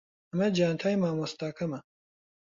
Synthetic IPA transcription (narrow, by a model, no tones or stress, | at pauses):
ɐmɐd͡ʒaːnt̪ʰaːjmaːmost̪aːkɐmɐ